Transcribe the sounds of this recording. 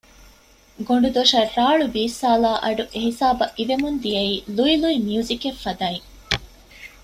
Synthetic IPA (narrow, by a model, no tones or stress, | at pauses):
ɡoɳ̆ɖud̪oʃɐraːɭubiːsːaːlaːʔɐɖuʔeɦisaːbɐʔiʋemund̪ijɐiːluiluimijuːzikefːɐd̪aːiŋ